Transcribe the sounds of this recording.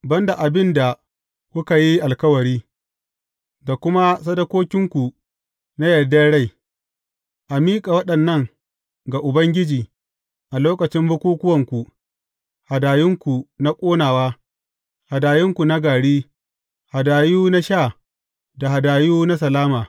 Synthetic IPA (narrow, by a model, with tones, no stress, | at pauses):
bɐ˦nda˨ʔa˨bɪ˦nda˨ | kʷʊ˦ka˨ji˦ʔa˨lkɐ˦wɐ˨ɽiː˦ | da˨kʷʊ˦ma˦sɐ˦dɐ˦kʷoː˦kʲɪ˦ŋkʷu˨ | na˦jɐ˨dɐ˦ɽa˦j | ʔa˨miː˦kʼa˨wɐ˦ɗɐ˨nːɐ˦ŋ | ɡa˨ʔʊ˨bɐ˦ŋɡʲɪ˦d͡ʒiː˨ | ʔa˨loː˦kɐ˨t͡ʃɪ˦mbʊ˦kʷuː˦kʷʊ˦wɐ˨ŋkʷu˨ | ha˨daː˨jɪ˦ŋkʷu˨na˦kʷʼoː˦naː˨waː˦ | ha˨daː˨jɪ˦ŋkʷu˨na˦ɡaː˨ɽiː˦ | ha˨daː˨juː˦na˦ʃaː˦˨ | da˨ha˨daː˨juː˦na˦s̬ɐ˨laː˦maː˨